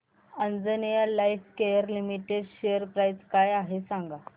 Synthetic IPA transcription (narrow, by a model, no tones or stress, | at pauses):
ənd͡zənijalajfkejəɾlimiʈeɖɕejəɾpɾajd͡zkajaɦesãŋɡa